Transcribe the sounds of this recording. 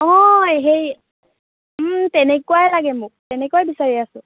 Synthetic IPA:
ɔ̃ɦej | tɛnɛkuwalaɡɛmʊk̚tɛnɛkuajbisaɹiasʊ

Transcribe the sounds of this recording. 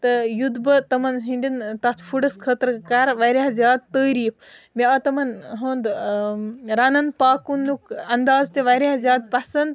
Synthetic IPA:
t̪ɐjud̪bɐt̪ɐmɐnɦinʲd̪ʲint̪ɐt̪ʰpʰuɖɐskʰət̪ɾkaɾʋɐɾʲaɦzʲjaːd̪̚t̪əːɾiːpʰmʲeɐt̪ɐmɐnɦoːnd̪ | ɾɐnɐnpaːkunːukɐnd̪aːzt̪eʋɐɾazjaːd̪̚pɐsɐnd̪̚

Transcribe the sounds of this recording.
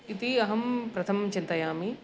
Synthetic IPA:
it̪iɐɦɐmpɾɐt̪ʰɐmt͡ʃɪ̃nt̪ɐjaːmi

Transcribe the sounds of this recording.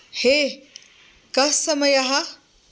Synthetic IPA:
he | kɐsːɐmɐjɐɦɐ

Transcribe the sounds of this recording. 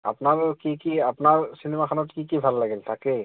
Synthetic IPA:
a̰pnaɾkikiapnaɹsinemakʰanɔtkikibʱalːaɡeltʰake

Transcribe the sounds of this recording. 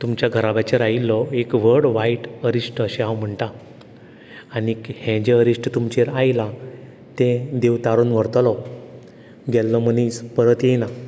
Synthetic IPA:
t̪umt͡ɕjaɡʱəɾabat͡ɕeɾailːɔekʋəɽʋaiʈəɾisʈəɕẽawm̤əɳʈ̪a | nikhɛ̃d͡ʑeəɾisʈət̪umt͡ɕeɾajlã | t̪ɛ̃d̪eʋt̪aɾonʋəɾt̪lɔ | ɡʱɛlːɔməniːspəɾət̪jena

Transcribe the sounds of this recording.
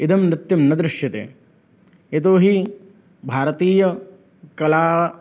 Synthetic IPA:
id̪ʱɐmnɪt̪ːjɐmnɐd̪ɾɪʃjɐt̪ḛː | et̪̬oːɦi | bʱaːɾɐt̪iːjɐ | kɐlaː

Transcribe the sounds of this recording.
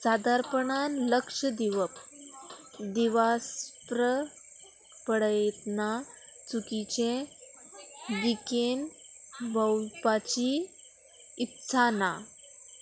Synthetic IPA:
sad̪aɾpəɳanləkʂəd̪iʋəp | d̪iʋaspɾə | pəɽəjet̪na | t͡sukit͡ɕẽ | d̪ikenbəwpat͡ɕi | it̪sʰana

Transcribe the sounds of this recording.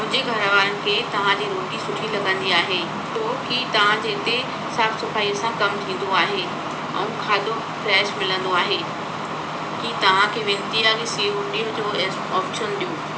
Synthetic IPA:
mʊ̃ɦɪ̃d͡ʑeɡʱɐɾʋaːɾənɪ̆kʰeːt̪ɐʋ̤ãd͡ʑiːɾoːʈisʊʈʰilɐɡə̃nd̪iaːɦeː | t̪oːkit̪ɐʋ̤ãd͡ʑeːt̪e | saːfsɐfaːiːəsãkɐmt̪ʰĩːnd̪oaːɦe | ɛ̰̃ũkʰaːd̪o | fɾɛːʃmɪlə̃nd̪oaːɦeː | kit̪ɐʋ̤ãkʰeːʋẽːnt̪ijaːɡsiːɦʊ̃ɳiːʊd͡ʑoːes | ɔːpʃənɗijuː

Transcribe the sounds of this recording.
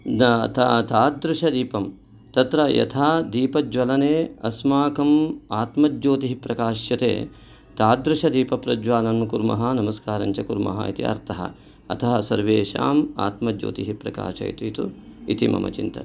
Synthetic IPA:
t̪ɐt̪aːd̪ɾuʂɐd̪iːpɐm | t̪ɐt̪ɾɐjɐ̰t̪ʰaːd̪iːpɐd͡ʒʋɐlɐneːɐsmaːkɐmaːt̪mɐd͡ʒoːt̪iɦipɾɐkaːʃjɐt̪ḛː | t̪aːd̪ɾuʂɐd̪iːpɐpɾɐd͡ʒʋaːlɐnkuɾmɐ̰ɦɐnɐmɐskaːɾɐɲt͡ʃɐkuɾmɐ̰ɦɐ̰it̪ḭɐ̰ɾt̪ɐɦɐ̰ | ɐt̪ʰɐɦɐsɐɾʋeːʃa̰ːma̰ːt̪mɐd͡ʒo̰ːt̪iɦipɾɐka̰ːʃɐ̰ḭt̪uit̪uit̪imɐ̰mɐ̰t͡ʃint̪ɐt̪

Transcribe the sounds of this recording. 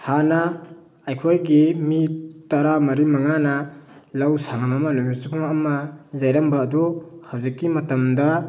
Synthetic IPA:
hanɐ | ajkʰojɡimitɐɾamɐɾimɐŋanɐlawsaŋamɐmɐnomisipʰuŋɐmɐzajɾɐmbaːduhawzikːimɐtɐmdɐ

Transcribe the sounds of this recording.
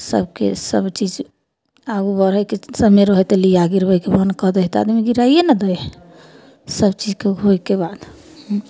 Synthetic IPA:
sə̰bkḛsəbt͡ʃid͡ʒ | aɡubəɾəkesəmeɾɔɦɛt̪eliaɡiɾəbəjkebənkɔd̪əɦt̪a̰d̪miɡiɾajenəd̪əj | səbt͡ʃid͡ʒkeɦojkebad̪

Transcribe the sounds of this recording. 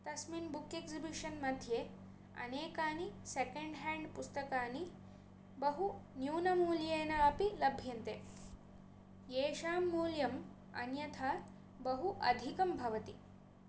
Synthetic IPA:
t̪ɐsminbukːeksibiʂɐnmɐd̪ʱje | ɐ̰neːkaːnisekeɳɖɦɛːɳɖpust̪ɐkaːni | bɐɦunjuːnɐmuːljeːnɐɐpilɐbʱjɐnt̪e | jeːʂaːmːuːljɐm | ɐ̰njɐt̪ʰa | bɐɦuʔɐd̪ʱikɐmbʱɐʋɐt̪i

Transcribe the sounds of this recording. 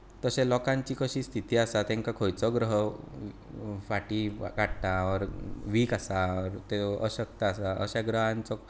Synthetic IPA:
t̪əsẽlɔkãɲt͡ɕiːkəɕiːst̪ʰit̪iːasat̪ẽŋkakʰojt͡sɔɡɾəɦ | faʈikaɽt̪aɔɾʋiːkasaɔɾt̪eəɕək̚t̪aasaʔə̰ɕaɡɾəɦãnt͡sɔ

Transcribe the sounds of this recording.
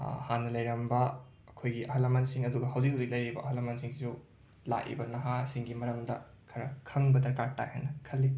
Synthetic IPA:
hanːɐlɐjɾɐmbɐ | ɐkʰojɡiʔɐɦɐlɐmɐntsiŋɐduɡɐɦɐwd͡ʒikhɐwziklɐjɾibɐʔɐɦɐlɐmɐntsiŋisu | la̰ʔḭbɐnɐɦasiŋɡimɐɾɐmdɐ̰ | kʰɐɾɐkʰɐŋbɐdɐɾkaɾta̰jhɐ̰nːɐkʰɐlːi

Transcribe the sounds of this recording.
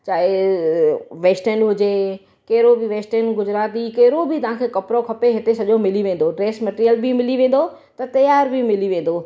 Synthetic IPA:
t͡ɕaːe | ʋeːsʈənɦʊd͡ʑe | kɐɦɪɾobɪʋeːsʈənɡʊd͡ʑɾaːt̪ikɐɦɪɾobɪt̪ɐʋ̤ãkʰeːkɐpɾokʰɐpeɦɪt̪esɐʄomɪliʋẽːn̆d̪oɖɾeːsmɐʈːɾijəlbimɪliʋẽːn̆d̪o | t̪ɐt̪ɐjaːɾbʱimɪliʋẽːn̆d̪oː

